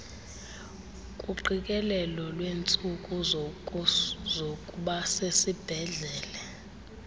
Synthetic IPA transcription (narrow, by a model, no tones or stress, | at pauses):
kʼuǃikʼɛlɛlɔlwent͡sʼukʼu | zokʼuɓasesib̥ʱɛɮɛːlɛ